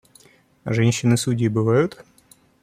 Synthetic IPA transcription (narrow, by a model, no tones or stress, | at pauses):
ʐɛnʲɕːɪnɨsudʲijbɨvajʊt̪